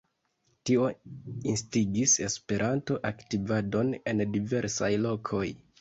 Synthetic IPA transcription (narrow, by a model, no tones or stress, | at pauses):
tio̞instiɡise̞spe̞ɾʔanto̞ʔaktivado̞ne̞ndive̞ɾsajlo̞kʰo̞j